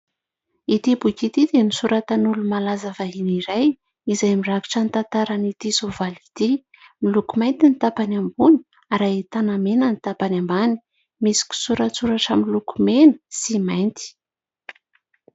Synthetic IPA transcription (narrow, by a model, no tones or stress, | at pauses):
it̪ibukit̪id̪enisuɾʔat̪anulumalazavaɦiniɾaj | izajmiraki̥ʈ͡ʂanit̪ant̪aɾanit̪isovalit̪i | milukumajnt̪init̪apanambuni̥ | aɾait̪anamenənit̪apanambani̥ | misi̥kʲu̥suɾat͡suɾaʈ͡ʂamilukumenə̥simajnt̪i̥